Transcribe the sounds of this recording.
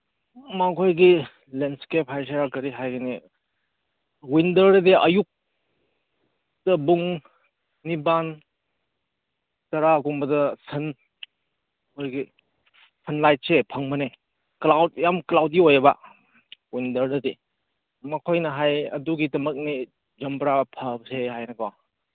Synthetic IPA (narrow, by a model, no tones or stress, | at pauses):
makʰojɡi | lenskep̚hajs̬aakɐɾiɦajɡɐni | windəɾdɐdeʔɐ̰juk̚ | tɐbuŋː | iban | tɐɾaɡumbɐdɐsʰɐn | oɾɡi | sʰɐnlajt̚sepʰɐŋmɐne | klawt̚jamklawt̚iojɐba̰ | windɐɾdɐde | mɐkʰojnɐɦajɐ̰duɡitɐmɐk̚ni | d͡ʒɐmbɾapʰɐbsehajnɐkaw